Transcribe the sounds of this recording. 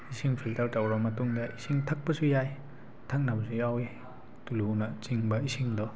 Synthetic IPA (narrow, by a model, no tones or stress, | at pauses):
isiŋpʰiltawtawɾamɐtuŋdaʔisiŋtʰak̚pɐsujaj | tʰaŋ̚nabziawe | tulunɐt͡ʃiŋbɐisiŋdɔ